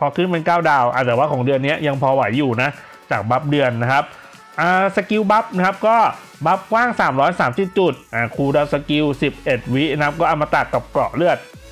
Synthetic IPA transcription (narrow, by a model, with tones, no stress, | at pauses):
pʰɔː˧kʰɯː˥˩npe˧nkaː˥˩wdaː˧wʔa˨˩t̪ɛː˨˩waː˥˩kʰɔː˩˦ŋdɯ˧ənːi˦˥ɐja˧ŋpʰɔː˧wa˩˦jːuː˨˩na˦˥ʔ | t͡ɕaː˨˩k̚ba˦˥p̚dɯ˧ənːa˦˥kʰa˦˥p̚ | ʔaː˧sa˧ki˧wba˦˥p̚na˥kʰa˦˥p̚kɔː˥˩ | ba˦˥p̚kwaː˥˩ŋsaː˩˦mɾɔː˦˥jsaː˩˦msi˨˩t̪̚t͡ɕu˨˩t̪̚ʔaː˧˩kʰuː˧daː˧wsa˧ki˧wsi˨˩p̚ʔe˨˩t̪̚wi˦˥na˦˥p̚kɔː˥˩ʔa˧˩wmaː˧t̪a˨˩kːa˨˩p̚klɔ̰˨˩lɯ˥˩ət̪̚